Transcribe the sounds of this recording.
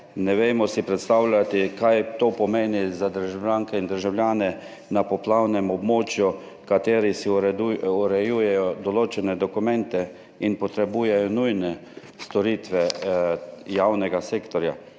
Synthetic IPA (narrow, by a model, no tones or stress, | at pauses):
nɛʋeːmɔsipɾɛt̪st̪awlʲat̪ikajt̪oːpɔmeːnizad̪əɾʒawlʲaːŋkɛind̪əɾʒawlʲjaːnɛ | napɔplawnɛmɔbmoːt͡ʃju | kat̪eːɾisiɾɛd̪uuɾɛjujɛjɔd̪ɔloːt͡ʃɛnɛd̪ɔkumɛ̃nt̪ɛ | inpɔt̪ɾɛbuːjɛjɔnujnɛ | st̪ɔɾiːt̪ʋɛ | jawnɛɡaseːkt̪ɔɾja